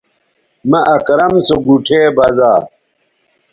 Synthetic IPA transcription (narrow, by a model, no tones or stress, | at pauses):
mɐʔɐkɾɐmsoɡuʈʰeːbɐzaː